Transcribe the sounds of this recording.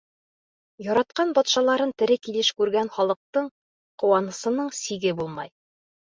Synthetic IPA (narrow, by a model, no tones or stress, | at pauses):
jɒɾɑt̪̚qɑnbɒt̪ʃɑlˠɑɾɤnt̪ɘ̆ɾɘkilɘʃkʉɾɡænχɒlˠɤ̆q̚t̪ɤɴ | qŏwɑnɤ̆sɤ̆nɤɴsiɡɘbulˠmɑ̰j